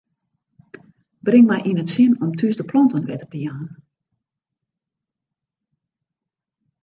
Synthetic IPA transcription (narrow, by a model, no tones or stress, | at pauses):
brɪŋmɛjʔinətsɪnɔmtʰysdəplɔntənʋɛtəpəjaːn